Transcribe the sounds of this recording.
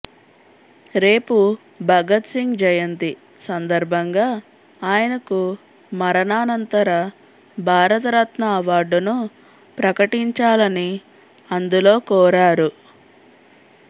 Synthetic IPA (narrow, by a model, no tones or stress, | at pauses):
ɾe̞ːpu | bʱɐɡɐt̪siŋɡd͡ʒɐjɐnt̪i | sɐnd̪ɐɾbʱɐŋɡaː | aːjɐnɐku | mɐɾɐnaːnɐnt̪ɐɾɐ | bʱaːɾɐt̪ɐɾɐt̪mɐːʋaːɾɖunu | pɾɐkɐʈiɲt͡ʃaːlɐni | ɐnd̪ulo̞ːkɔːɾaːɾu